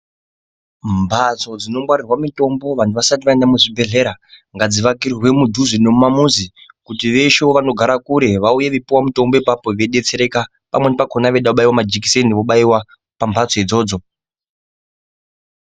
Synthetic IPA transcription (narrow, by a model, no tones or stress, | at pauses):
mbʱat͡so̞d͡zino̞mɡwaɾirwamito̞mbo̞ʋan̤uʋasatiʋaendamuʐibʱe̞ɮe̞ɾaŋɡad͡ziʋakirrwe̞mudʱuzinemumamuzikutiʋe̞ʃo̞ʋano̞ɡʱaɾakuɾe̞ʋauje̞ʋipiwamito̞mbo̞ipapo̞ʋeɗe̞t͡se̞ɾe̞ka | pamwe̞nipako̞naʋeɗaoɓaiwamad͡ʒik̬i̥seniʋoɓaiwa | pambʰʱat͡soid͡zo̞ːd͡zo̞